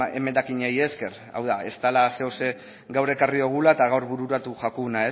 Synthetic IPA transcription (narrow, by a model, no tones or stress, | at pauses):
ḛme̞nd̪akiɲeje̞ske̞r | a̰wðae̞st̪alase̞ose̞ | ɡawɾe̞kario̞ɣ̞ulaet̪aɣawɾβuɾuɾat̪uʝakunae